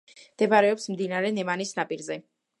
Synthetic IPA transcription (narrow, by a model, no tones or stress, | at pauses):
md̪̥ɛbaɾɛɔpsmd̪inaɾɛnɛmanisnapʼiɾzɛ